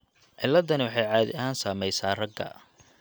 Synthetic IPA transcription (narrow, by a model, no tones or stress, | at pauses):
ʕɪlːɐd̪ɐnɪwɑħɑjʕaːðɪ̰ʔɐɦaːnsaːmɛjsaːrɐɡːɐ̰